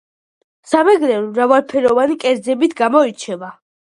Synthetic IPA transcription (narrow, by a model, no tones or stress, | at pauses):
samɛɡɾɛɾuɾavalˠpʰɛɾɔvanikʼɛɾd̪zɛbit̪ʰɡamɔit͡ʃʰɛva